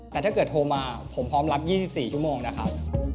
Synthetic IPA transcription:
t̪ɛː˨˩t̪ʰaː˥˩kɤː˨˩t̪̚hʰoː˧maː˧pʰo˩˦mpʰɾɔː˦˥mla˦˥p̚jiː˥˩si˨˩p̚siː˨˩t͡ɕʰu˦˥˩moː˧ŋna˦˥kʰa˦˥p̚

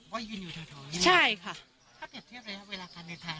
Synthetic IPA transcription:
wa˦˥ji˧˩nuː˧˩t̪ʰaː˧t̪ʰɔː˧˦t͡ɕʰa˥˩jkʰa˥˩ | k̪ʰa˥˩k̪i˨˩t̪ʰi˥˩əw̚ɾa˧ja˦˥ʔweː˧laː˧kʰaː˧nːa˧t̪ʰaː˧

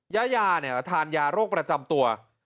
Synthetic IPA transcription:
jaː˦˥jaː˧ni˥˩t̪ʰaː˧njaː˧ɾoː˥˩k̚pɾa˧t͡ɕa˧mt̪u˧ɐ

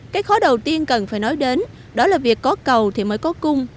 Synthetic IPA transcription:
kaː˨˦jxɔ˨˦ɗə˨˩wt̪i˧ənkə˨˩nfaː˧˩jnɔ˨˦jɗe˨˦n | ɗɔ˨˦laː˨˩vi˨˩əkːɔ˨˦kə˨˩wt̪ʰi˨˩məː˨˦jkɔ˨˦kʊ˧ŋ͡m

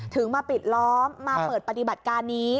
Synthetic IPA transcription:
t̪ʰɯ˩˦ŋmaː˧pi˨˩t̪̚lɔː˦˥mːaː˧pɤː˨˩t̪̚pa˧t̪i˨˩ba˨˩t̪̚kaː˧nːiː˦˥

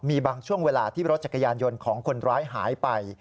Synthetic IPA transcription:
miː˧baː˧ŋt͡ɕʰu˥˩əŋweː˧laː˧t̪ʰiː˥˩ɾo˦˥t̪̚t͡ɕa˨˩ka˧jaː˧njo˧nkʰɔː˩˦ŋkʰo˧nɾaː˦˥jɦaː˩˦jpa˧j

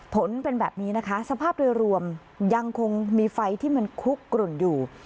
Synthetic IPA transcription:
pʰo˩˦npe˧nbɛː˨˩p̚niː˦˥na˦˥kʰa˦˥sa˧pʰaː˥˩p̚du˧jɾu˧əm | ja˧ŋkʰo˧ŋmiː˧fa˧jt̪ʰiː˥˩ma˧nkʰu˦˥kːɾu˨˩njuː˨˩

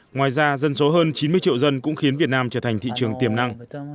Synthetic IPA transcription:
ŋwaː˨˩jzaː˧zə˧nso˨˦ɦəː˧nt͡ɕi˨˦nmɨ˧ət͡ɕḭ˧˨wzə˧nkʊ̰˧˥ŋ͡mxi˨˦nvi˨˩ət̚naː˧mt͡ɕəː˧˩t̪ʰa˨˩jŋ̟t̪ʰḭ˧˨t͡ɕɨ˨˩əŋt̪i˨˩əmna˧ŋ

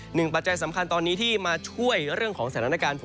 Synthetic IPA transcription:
nɯ˨˩ŋpa˨˩t̪̚t͡ɕa˧jsa˩˦mkʰa˧nt̪ɔː˧nːiː˦˥t̪ʰiː˥˩maː˧t͡ɕʰu˥˩əjɾɯ˥˩əŋkʰɔː˩˦ŋsa˩a˧na˧kaː˧n

